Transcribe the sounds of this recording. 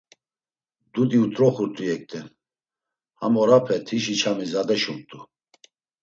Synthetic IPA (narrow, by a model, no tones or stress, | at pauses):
d̪ud̪iut̪ʼɾɔχuɾt̪ʰʼujɛk̚t̪ʰʼɛn | ha̰mɔɾapʰɛt̪ʰiʃit͡ʃʰamizad̪ɛʃumt̪ʼu